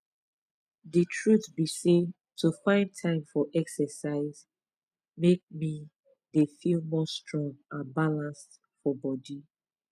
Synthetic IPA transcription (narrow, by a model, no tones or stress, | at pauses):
ðitʰɹuθbise | tʰufãɪ̃ntʰãɪ̃mfɔʔɛksəsaɪz̥ | mek̚mi | ðefilˠmɔstɹɔ̃ŋãnbalãnst | fɔbɔdi